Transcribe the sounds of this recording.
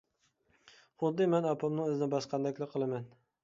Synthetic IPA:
χʊd̪ːɪmanɑpʰɑmnɪŋɵznɪbɑsqʰɑnd̪akʲlɪqʰːɨlˠaman

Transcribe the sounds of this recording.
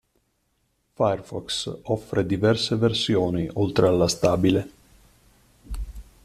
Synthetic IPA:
faerfɔksɔfːɾed̪ivɛrseversjoːniʔolt̪ɾealːast̪aːbile

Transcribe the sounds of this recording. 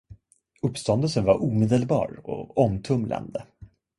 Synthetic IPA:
ɵpːst̪ɔnd̪əlsənvaɾʔuːmeːd̪əlbɑ̰ːɾɔ̰ɔmt̪ʰɵmlʔa̰nd̪ə

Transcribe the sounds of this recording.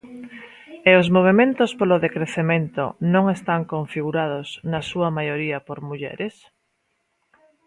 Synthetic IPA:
eozmoβ̞emẽnt̪ospoloðekɾeθemẽnt̪o̰nõŋest̪aŋkoɱfiɣuɾað̞oznɐsuɐmajoɾiɐpoɾmuʎɛ̰ɾes

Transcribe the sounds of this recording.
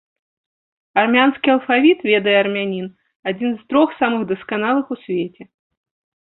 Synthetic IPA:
armʲanskʲiɐlˠfavʲit̪vʲɛd̪ɐjɛɐrmʲanʲin | ad͡zʲinzt̪ɾɔxsamɨɣd̪ɐskanalˠɨxusʲvʲet͡sʲɛ

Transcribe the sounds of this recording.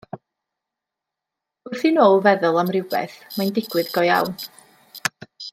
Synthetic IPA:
ʊθinoːlˠvɛðʊlˠamrɪwbɛ̰θmajndɪɡwɨðɡɔja̰wn

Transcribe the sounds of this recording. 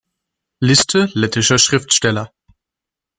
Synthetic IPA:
lɪstʰəlɛtɪʃɐʃʁ̥ɪftʃtɛlɐ

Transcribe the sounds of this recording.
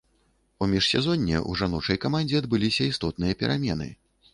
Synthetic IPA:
umʲiʂsʲɛzɔnʲːɛ̰ʔuʐanɔt͡ʂɐjkɐmanʲd͡zʲɛɐd̪̚bɨlʲisʲɐist̪ɔt̪̚nɨjɐpʲɛɾamʲɛnɨ̰

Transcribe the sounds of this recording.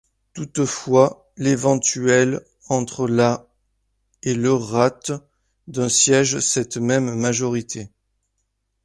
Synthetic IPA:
t̪ut̪fwa | levɑ̃t̪yɛl | ɑ̃t̪χəla | eləʁat̪ | d̪ɛ̃sjɛʒsɛt̪mɛmːaʒɔʁit̪ʰe

